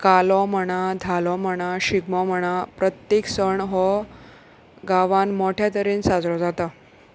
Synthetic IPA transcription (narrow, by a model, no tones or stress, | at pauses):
kalɔməɽ̃ad̪ʱalɔməɽ̃aɕiɡmɔməɽ̃apɾət̪jeksəɳɦɔ | ɡaʋãnmɔʈʰjat̪əɾiːnsad͡zɾɔd͡zat̪a